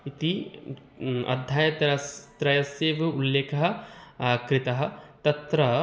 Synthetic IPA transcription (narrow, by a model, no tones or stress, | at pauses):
it̪i | ɐ̰d̪ʱjaːjɐt̪ɾɐst̪ɾɐjɐsjeːʋɐulːeːkɐɦɐ̆ | kɾɪt̪ɐɦɐ̆t̪ɐt̪ɾɐ